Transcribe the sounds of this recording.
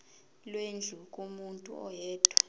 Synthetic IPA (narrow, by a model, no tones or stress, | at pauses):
lwend͡ɮʱukʼumuntʼṵɔjɛːd̥ʱʰwḁ